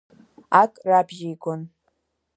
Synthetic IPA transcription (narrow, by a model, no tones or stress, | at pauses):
akʼrabʒejɡʷʰon